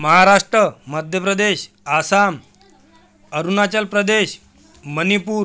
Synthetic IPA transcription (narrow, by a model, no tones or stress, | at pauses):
məɦaɾaʂʈɾəməd̪ʱjəpɾəd̪eɕ | asam | əɾunat͡ɕəlpɾəd̪eɕ | mənipuːɾ